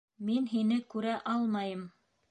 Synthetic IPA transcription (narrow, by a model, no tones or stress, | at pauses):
minɦinɘkʉɾæʔɑlˠmɑjɤm